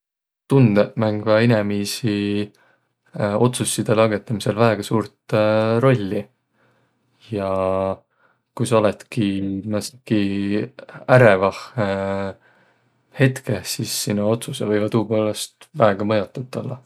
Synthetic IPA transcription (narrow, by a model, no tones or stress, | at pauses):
t̪und̪̥emæŋɡ̥vɑinemisi | o̞t̪susːid̪̥e̞lɑɡe̞t̪ːˑɑmise̞lvæeɡ̥ɑsuːɾt̪ɾo̞lʲːi | jɑ | kujso̞let̪kimæski | æɾe̞vɑh | he̞t̪kesisːinːuo̞t̪susevɤjvɑt̪uːpo̞ːlest̪væeɡ̥ɑmɤjot̪ːˑut̪ˑːolːɑ̰